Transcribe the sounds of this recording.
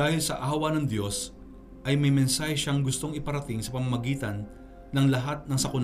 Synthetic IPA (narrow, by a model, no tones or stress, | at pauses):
aːhɪlsɐʔaːwɐnɐŋd̪jo̞s | ʔɐjmɐjmɛnsaːhɛʃaŋɡʊst̪o̞ŋɪpɐɾɐt̪ɪŋsɐpɐmɐmɐɡiːt̪ɐnː | ɐŋlɐɦat̪̚nɐŋsɐkʊn